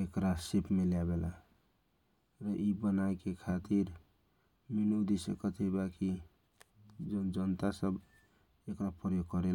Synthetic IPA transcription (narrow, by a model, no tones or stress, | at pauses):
ekɾasepmelebela̰ | ɾəʔibənaekekʰat̪iɾ | minud̪isəkət̪ɦibaki | d͡ʒd͡ʒənt̪asəb | ekɾapəɾjoɡ̚kəɾel